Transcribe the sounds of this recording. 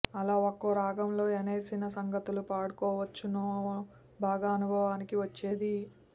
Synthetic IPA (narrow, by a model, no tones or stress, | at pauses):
ɐlaːokːoːɾaːɡɐmlo̞ːeneːsinɐsɐŋɡɐt̪ulupaːɽukɔːʋɐt͡ʃːunoː | bʱaːɡɐɐnubʱɐʋaːnikiʋɐt͡ʃːe̞ːd̪i